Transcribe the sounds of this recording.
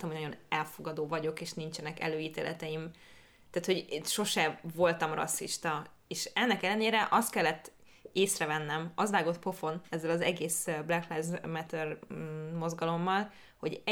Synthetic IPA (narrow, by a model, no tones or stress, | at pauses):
t̪ɛmhonɒɟo̞nɛlfo̞ɡɒd̪oːvɒɟo̞keːʃnint͡ʃɛnɛkɛ̰løːjiːt̪ḛːlʔɛ̰t̪ɛjim | t̪aːt̪ho̞ɟ̪ʃo̞ʃɛvo̞lt̪ɒmrɒ̰sːḭʃt̪ɒ | eːʃɛnːɛkɛlːɛneːɾɛʔɒst̪̚kɛlːɛt̪ː | eːsrɛvɛnːɛmɒzʋaːɡo̞t̪po̞fo̞nɛzːɛlɒzɛɡeːsblɛklajzmɛt̪ɛrmo̞zɡɒlo̞mːɒl | ho̞ɟ